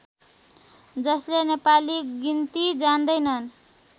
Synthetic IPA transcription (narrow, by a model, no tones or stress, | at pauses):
d͡zʌslenepaliɡint̪id͡zand̪ʌjnʌn